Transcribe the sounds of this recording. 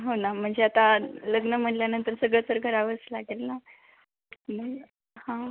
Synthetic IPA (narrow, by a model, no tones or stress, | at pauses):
ɦonam̤əɳd͡zeat̪aləɡnəm̤əɳljanənt̪əɾsəɡɭət͡səɾɡʱəɾaʋəslaɡelna | mə | hã